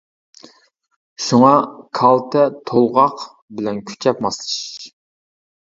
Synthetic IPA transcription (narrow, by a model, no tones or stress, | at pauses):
ʃuŋɑkʰɑlˠt̪ʰɛt̪ʰolˠʁɑq | bɪlɛnkʲʰy̥t͡ʃʰɛpmɑslˠɨʃ